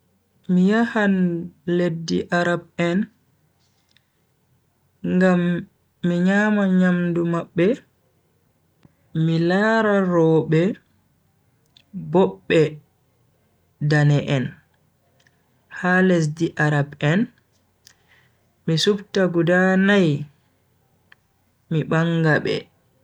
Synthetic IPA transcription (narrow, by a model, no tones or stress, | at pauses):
mijahanledːiʔaɾab̚ɛn | ŋɡamː | iɲaːmaɲamdumaɓːɛ | milaːɾaɾɔɓɛ | bɔɓːɛ | danɛʔɛn | halɛs̬diʔaɾabɛn | misubtaɡudanaj | miɓaŋɡaɓɛ̰